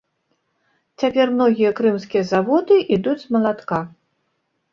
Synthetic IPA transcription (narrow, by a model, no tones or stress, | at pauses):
t͡sʲapʲɛrmn̪ɔɣʲijɐkɾɨmskʲijɐzavɔd̪ɨʔid̪ud͡zʲmɐlˠat̪ka